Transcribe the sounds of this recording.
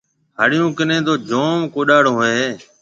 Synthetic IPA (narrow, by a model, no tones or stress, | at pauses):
haːɽjũːkɪnẽːd̪oːd͡ʒoːmkoːɗaːɽõːɦoeːeː